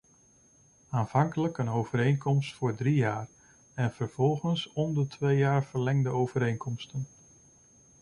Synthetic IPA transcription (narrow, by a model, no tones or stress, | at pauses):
aːnv̥ɑŋkələkənowv̥əɾejnkʰɔmstfʊːɹdrijaːr | ɛnv̥əɹv̥ɔlˠχənsɔndətʰʋejjaːɹv̥əɹlɛŋdəowv̥əɾejnkʰɔmstən